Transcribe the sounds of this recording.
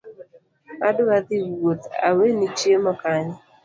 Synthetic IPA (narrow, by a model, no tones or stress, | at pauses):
adʊad̪iwot̪a̰wenit͡ʃemɔkaɲɪ